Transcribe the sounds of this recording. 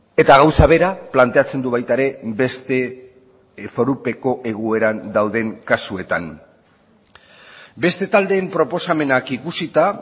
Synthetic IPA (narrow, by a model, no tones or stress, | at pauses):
e̞t̪aɣ̞awsaβ̞e̞ɾaplant̪e̞at͡se̞nd̪uβajt̪aɾe̞be̞st̪e̞ | fo̞ɾupe̞ko̞ʔe̞ɣue̞ɾand̪awðe̞ŋkasue̞t̪a̰n | be̞st̪e̞t̪ald̪e̞ːmpɾo̞po̞same̞nakikusit̪a